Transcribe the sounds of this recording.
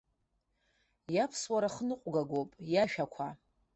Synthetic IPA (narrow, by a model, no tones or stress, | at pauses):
japʰswaɾaχənɨqʷʼɡaɡʷopʼjaʃᶣakʷʰa